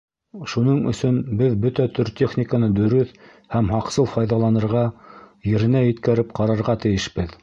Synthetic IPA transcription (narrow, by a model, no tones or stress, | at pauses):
ʃunɤɴɵ̰̆sɵnbɘðbɵt̪æt̪ɵɾt̪ʲeχnʲikənɤd̪ɵ̆ɾɵθ | hæmɦɑqsɤlˠfɑjðɑlˠɑnɤ̆ɾʁɑjɘ̆ɾɘ̆næjɘ̆t̪kæɾɘp̚qɑɾɑɾʁɑt̪ɘ̆jɘʃpɘð